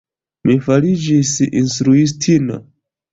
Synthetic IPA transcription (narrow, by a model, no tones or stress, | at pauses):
mifalid͡ʒisḭnstɾuis̬tʰina̰